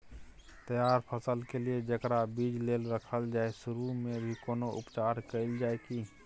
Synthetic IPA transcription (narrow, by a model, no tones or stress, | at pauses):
t̪əjaɾpʰəsəlkelied͡ʒəkɾabid͡ʒlelɾəkʰəld͡ʒaesuɾumebʱikoːnoʔṵpt͡ʃaɾkəɪld͡ʒaeki